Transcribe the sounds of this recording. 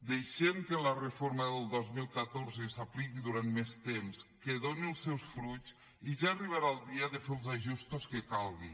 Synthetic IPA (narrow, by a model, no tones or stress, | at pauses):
d̪ejʃemkələrəfoɾməðəlˠd̪ozmilˠkat̪oɾzəsaplikiðuɾant̪mest̪emskeðoniəlˠsɛwsfɾut͡s | iʒaːriβaɾalˠd̪iəðəfelˠzaʒust̪oskəkalˠɣi